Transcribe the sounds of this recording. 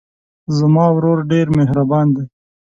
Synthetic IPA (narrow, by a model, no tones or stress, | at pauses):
zəmɑːwɾoɾɖeɾmeɦɾabɑːnd̪e